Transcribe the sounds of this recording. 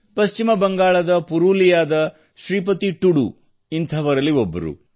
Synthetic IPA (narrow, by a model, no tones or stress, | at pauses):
pɐʃt͡ʃimɐbɐŋɡaːɭɐd̪ɐpuɾuːlijaːd̪ɐ | ʃɾiːpɐt̪iʈuɽṵ | int̪ʰɐʋɐɾɐlːiobːɐ̰ɾṵ